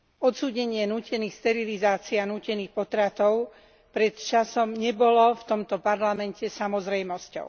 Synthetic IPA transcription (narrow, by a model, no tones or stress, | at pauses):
ɔt̪suːɟɛɲɪɛnuːcɛniːxst̪ɛɾilizaːt͡sianuːcɛniːxpɔt̪ɾat̪ɔʊ | pɾɛt̪t͡ʃasɔmɲɛbɔlɔft̪ɔmt̪ɔpaɾlamɛncɛsamɔzɾɛjmɔscɔ̰ʊ